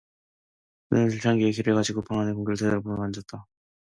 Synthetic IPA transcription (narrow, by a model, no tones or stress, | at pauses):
kɯnɯnʰiɭt͡ɕʰaŋɡiekiɾɯɭɡad͡ʑiɡopaŋanekoŋɡjʌɭtʰedʌɾpoɾomand͡ʑʌt̚t͈a